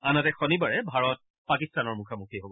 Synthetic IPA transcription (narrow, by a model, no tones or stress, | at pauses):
anɔtɛxɔnibaɹɛbʱaɹɔt̚ | pakistanɔɹmukʰamukʰiɦobɔ